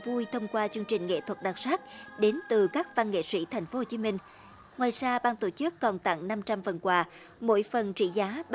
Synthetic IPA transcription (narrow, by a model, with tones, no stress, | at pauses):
vu˧jt̪ʰə˧wŋ͡mkwaː˧t͡ɕɨ˧əŋt͡ɕï˨˩ŋ̟ŋḛ˧˨t̪ʰwə˨˩t̚ɗaː˨˩t̚saː˦˥t̚ɗe˨˦nt̪ɨ˨˩kaː˦˥k̚va˧nŋḛ˧˨sḭ˧˥t̪ʰa˨˩jŋ̟fo˨˦ho˨˩t͡ɕi˨˦mi˧ŋ̟ | ŋwaː˨˩jzaː˧ɓaː˧ŋt̪o˧˩t͡ɕɨ˦˥kːɔ˨˩nt̪a̰˧˨ŋna˧mt͡ɕa˧mvə˨˩nkwaː˧˩ | mo̰˧˥jfə˨˩nt͡ɕḭ˧˨zaː˨˦ɓ